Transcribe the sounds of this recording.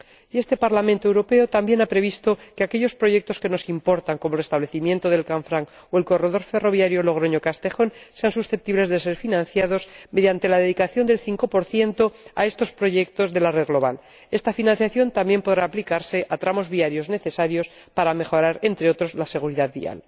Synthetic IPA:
ie̞st̪e̞paɾlamẽnt̪oewɾo̞pe̞ot̪ambje̞napɾe̞βist̪o̞keake̞ʎo̞spɾo̞ʝe̞k̚t̪o̞ske̞no̞simpo̞ɾt̪aŋko̞molrest̪aβle̞θimje̞nt̪o̞ð̞e̞lkaɱfɾaŋ | oe̞lko̞re̞ðo̞ɾfe̞ro̞βjaɾjolo̞ɣ̞ɾo̞ɲo̞kast̪e̞xo̞nse̞ansusθep̚t̪iβle̞zðes̬e̞ɾfinãnθjað̞o̞sme̞ðjant̪e̞laðeðikaθjo̞nd̪e̞lθiŋko̞po̞ɾθje̞nt̪o̞a̰e̞st̪o̞spɾo̞ʝe̞kt̪o̞zðe̞lare̞ðɣlo̞β̞a̰l | e̞st̪afinãnθjaθjo̞nt̪ambje̞mpo̞ðɾaːplikaɾse̞ʔat̪ɾamo̞zβiaɾjo̞zne̞θe̞saɾjo̞s | paɾamexo̞ɾaɾe̞nt̪ɾe̞o̞t̪ɾo̞zlase̞ɣ̞uɾiðaðβḭa̰l

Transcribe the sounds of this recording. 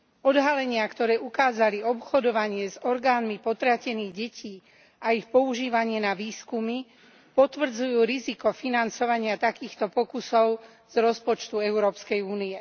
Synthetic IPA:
ɔd̪ɦalɛɲɪakt̪ɔɾɛːʔukaːzaliɔpxɔd̪ɔʋaɲɪɛzɔɾɡaːnmipɔt̪ɾacɛniːɣɟɛcʰiː | aixpɔuʒiːʋaɲɪɛnaʋiːskumi | pɔt̪ʋr̩d͡zujuːɾizikɔfinant͡sɔʋaɲɪat̪akiːxt̪ɔpɔkusɔʊ | z̥ɾɔspɔt͡ʃt̪uɛʊɾɔːpskɛjuːnijɛ

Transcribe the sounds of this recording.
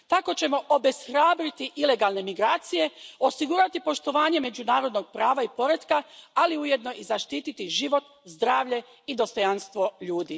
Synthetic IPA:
t̪ako̞t͡ɕe̞mo̞ʔobe̞sxɾaːbɾit̪iʔile̞ɡalˠne̞miɡɾaːt̪sije̞o̞siɡuɾat̪ipo̞ʃt̪o̞ʋaːɲe̞me̞d͡ʒunaːɾo̞d̪no̞ɡ̚pɾaːʋaipo̞ɾed̪kaaliuje̞d̪no̞ʔizaʃt̪iːt̪it̪iʒiʋo̞t̪ | zd̪ɾaːʋʎe̞ | id̪o̞st̪o̞janst̪ʋo̞ʎuːd̪i

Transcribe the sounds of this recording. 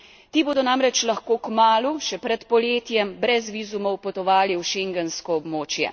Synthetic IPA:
t̪iːboːd̪ɔnamɾɛt͡ʃlɐxkoːkmaːluʃɛpɾɛt̪pɔljeːt̪jɛmbɾɛzʋizumɔwpɔt̪ɔʋaːliwʃeŋɡɛnskɔːbmoːt͡ʃjɛ̰

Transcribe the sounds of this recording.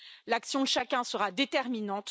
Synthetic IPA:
laksjɔ̃d̪əʃakʲɛ̃səʁad̪et̪ɛʁminɑ̃t̪

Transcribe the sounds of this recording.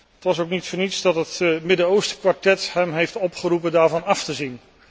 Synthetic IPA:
ətʋɑsowknitfəɹnitsdɑtətmɪdənowstə̥kʋaɹtɛtɦɛmɦejftɔpχəɾup̬əndaːɹvɑnɑftəzin

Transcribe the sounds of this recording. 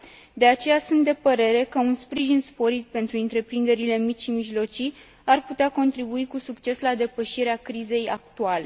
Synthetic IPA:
d̪e̞at͡ʃe̞jasunt̪̚d̪e̞pəɾe̞ɾe̞kəunspɾiʒinspo̞ɾit̪̚pe̞nt̪ɾuɨnt̪ɾe̞pɾind̪e̞ɾile̞mit͡ʃʲʃimiʒlo̞t͡ʃi | arput̪eako̞nt̪ɾibuikusukt͡ʃe̞slad̪e̞pəʃiɾeakɾize̞jak̚t̪uale̞

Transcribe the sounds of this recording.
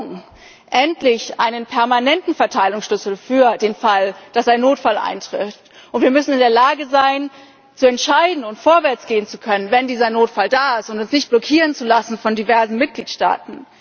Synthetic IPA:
ŋ | ʔɛntlɪçʔa̰ɪnənpʰɛɐmanɛntn̩fɛɐtʰaɪlʊŋsʃlʏsl̩fyːɐdeːnfald̥asãɪnːoːtfalʔa̰ɪntʁ̥ɪ̰ftʔʊntv̥iːɐmʏsn̩ɪndeːɐlaːɡəzaɪn | t͡suɛntʃaɪdn̩ʊntfoːɐvɛɐt͡sɡ̥eːənt͡sukʰœnənvɛndiːzɐnoːtfaldaːɪstʊntʊnsnɪçt̚b̥lɔkʰiːʁ̞ənt͡sulasn̩fɔndivɛɐzn̩mɪt̚ɡ̥liːtʃta̰ːtn̩

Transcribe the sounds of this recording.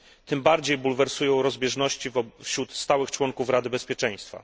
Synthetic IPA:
t̪ɘmbaɾd͡ʑejbulvɛɾsujɔ̃w̃ɾɔzbʲjɛʐnɔɕt͡ɕifɕɾut̪st̪awɘxt͡ʂwɔŋkufɾad̪ɘbɛspʲjɛt͡ʂɛj̃st̪fa̰

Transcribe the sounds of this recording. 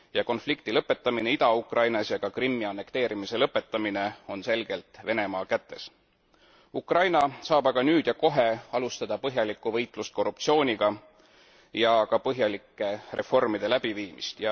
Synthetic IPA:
jɑko̞nflikt̪ilɤpːˑe̞t̪ːˑɑmine̞id̪ɑukrʔɑjnɑsjɑkɑkrimːiɑnːe̞kt̪e̞ːɾimise̞lɤpːˑe̞t̪ˑːɑmine̞o̞nse̞lɡ̥e̞lt̪ˑve̞ne̞mɑːkæt̪ːe̞s | ukrɑjnɑsɑːbɑɡ̥ɑnyːd̪̥jɑko̞ɦe̞ɑlust̪ɑd̪̥ɑpɤɦjɑlikːˑuvɤ̞jt̪ˑlust̪̚ko̞rːup̚t̪sio̞ːnʲiɡ̥ɑ | jɑkɑpɤɦjɑlikːe̞rʔe̞̰fo̞rmid̪̥e̞læb̥iviːmist̪jɑ

